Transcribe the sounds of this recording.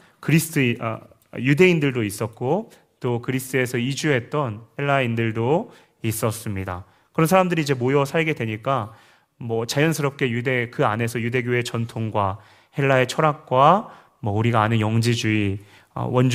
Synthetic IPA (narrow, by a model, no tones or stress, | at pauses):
kɯɾisʰɯ̥tʰɯ̰ | jude̞indɯɭdois͈ʌt̚k͈o | t͈okɯɾisʰt͈ʰɯe̞sʰʌid͡ʑuɦe̞t̚t͈ʌnhe̞ɭːaindɯɭdo | is͈ʌs͈ɯmɲida̰ | kɯɾʌnsʰaɾamdɯɾiːd͡ʑe̞mojʌsʰaɭɡe̞dwe̞ɲik͈a | mwʌt͡ɕajʌnsʰɯɾʌp̚k͈e̞jude̞kɯane̞sʰʌjude̞ɡjoe̞t͡ɕʌntʰoŋɡwa | he̞ɭːae̞t͡ɕʰʌɾak̚k͈wa | mwʌuɾiɡaːnɯnjʌŋd͡ʑid͡ʑui | ʌ̰wʌnd͡ʑ